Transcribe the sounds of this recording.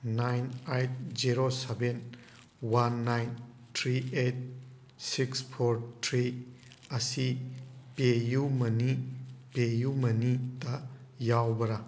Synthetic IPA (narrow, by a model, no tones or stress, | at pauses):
najnajt̚ziɾoseben | wanːajn | tʰɾiet̚ | sikspʰoɾtʰɾi | ɐsipejumɐnipejumɐnidɐjawbɐɾa